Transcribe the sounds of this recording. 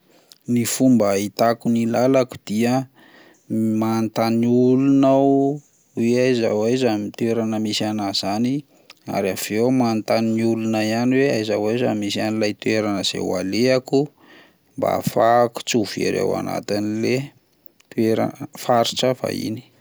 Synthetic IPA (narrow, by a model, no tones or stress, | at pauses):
nifumbəit̪akunilalaku̥d̪̥iə | mant̪aniulunaw | weajzawajzamit̪ueɾanəmisanaz̥ani | a̰ɾav̥ewmant̪aniniulunaianiweajzawajzamisianilajt̪ueɾanəz̥ḛwa̰leaku | mba̰faku̥t͡suviḛɾḛwa̰na̰t̪inile | t̪ueɾa̰faɾiʈ͡ʂəfa̰ḭni̥